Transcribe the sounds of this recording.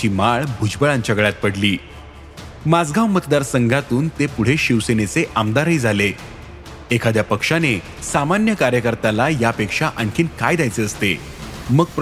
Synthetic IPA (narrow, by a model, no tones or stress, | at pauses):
iːmaɭbʱud͡ʑbəɭaɲt͡ɕjaɡəɭjat̪̚pəɽliː | mad͡zɡʱãʋmət̪d̪aɾsəŋɡʱat̪uːnt̪epuɽ̤eɕiʋsenet͡seʔamd̪aɾəid͡zʱale | ekʰad̪japəkʂane | samanjəkaɾjəkəɾt̪alajapekʂaʔəɳkʰiːnkajd̪jajt͡seəst̪ḛ | məɡp